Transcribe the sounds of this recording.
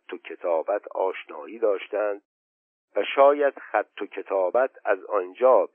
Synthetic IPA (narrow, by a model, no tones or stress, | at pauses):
t̪ʰːocʰe̞t̪ʰɒːbæt̪ʰɒ̰ːʃnɒːʔiːd̪ɒːʃt̪ænd̪̚ | væʃɒːjæd̪̥xæt̪ʰːocʰe̞t̪ʰɒːbæt̪ʰæzɒnd͡ʒɒːb